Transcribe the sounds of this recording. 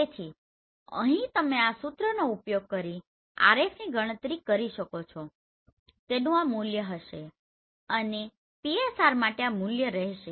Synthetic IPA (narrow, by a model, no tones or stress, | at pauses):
et̪ʰi | ə̰ɦĩt̪əmeasut̪ɾənoupjoɡ̚kəɾi | a̰ɾefniɡʱəɽ̃ət̪ɾikəɾiʃəkot͡ʃʰo | t̪enũamuljəɦəʃe | əne | piesaɾmaʈeamuljəɾɛɦʃe